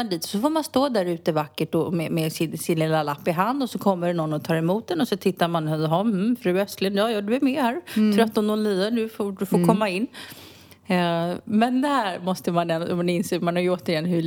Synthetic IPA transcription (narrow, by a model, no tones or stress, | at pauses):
d̪iːt̪ɔ̥sɔfoːɾmanst̪oːd̪æɾʉ̟ːt̪əvakːəʈɔmɛmɛsɪnsɪnlɪlalapːɪɦand̪ɔsɔkʰɔmːəɾnɔnːɔt̪ʰɑːɾɛmuːt̪̚d̪ɛnɔsɔt̪ʰɪt̪ːaɾmanɦɔh̩fɾʉ̟ːœst̪lɪnjɑːjɔːɖɵæɾmehæːɾt̪ʰɾœt̪ːɔnɔnliːd̪ad̪ɵfod̪ɵfoːɾkʰɔmːaɪnː | mɛnd̪ɛhæːɾmɔst̪əmanɛnmd̪ɪnseːmanhɔːɾjoːt̪əɾɪjɛnːɦɵ